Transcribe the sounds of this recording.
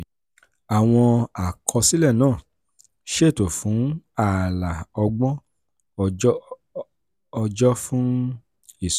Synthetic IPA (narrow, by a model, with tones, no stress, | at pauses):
a˨w̃ɔ̃˧a˨kʰɔ˧si˦lɛ˦˨nãː˦˨ | ʃe˦˨to˨fũ˨˦a˦˨la˨ɔ˧ɡ͡bɔ̃˦ | ɔ˧d͡ʒɔ˦fũ˦ | i˦˨s